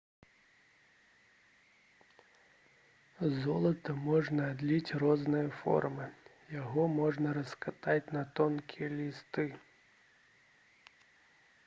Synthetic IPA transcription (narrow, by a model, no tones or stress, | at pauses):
zɔlˠɐt̪ɐmɔʐnɐːd̪lʲit͡sʲrɔznɨjɐfɔ̰rmɨ | jaɣɔmɔʐnɐɾɐskat̪at͡sʲnɐt̪ɔnkʲijɛlʲist̪ɨ